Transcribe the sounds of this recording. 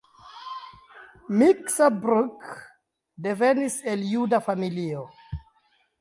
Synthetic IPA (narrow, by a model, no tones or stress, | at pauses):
miksabɾuk | de̞ve̞nise̞ljudafamilio